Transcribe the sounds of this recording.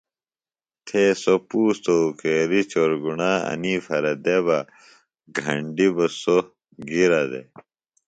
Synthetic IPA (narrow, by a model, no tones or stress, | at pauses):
t̪ʰeːsopuːst̪okeːɾit͡ɕoɾɡunaːɐ̰niːfɐɾɐd̪eβa | ɡʱɐ̰ɳɖibɐso | ɡiɾɐd̪ḛ